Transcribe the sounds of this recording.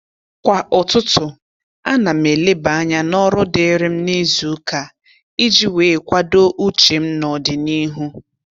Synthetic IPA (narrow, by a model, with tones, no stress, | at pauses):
kʷa˨ʔʊ˨tʊ˦tʊ˨ | a˦na˨m̩e˨le˦ba˨a˦ɲa˦nɔ˦ɾʊ˦de˨˦ɾɪ˦m̩˦ni˦zu˨˦ka˨ | i˦d͡ʒi˦weː˨kʷa˦do˦ʔu˦t͡ʃe˨m̩˦nɔ˨dɪ˨ni˦ɦu˦